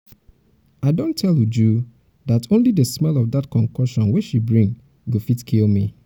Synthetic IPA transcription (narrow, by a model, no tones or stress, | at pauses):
aɪdõntʰːɛlˠjud͡ʒu | datʰõnlidəsmɛlɔvdatkʰɔ̃ŋkɔʃɔ̃nwit͡ʃʃibɹĩŋ | ɡofitkʰilmi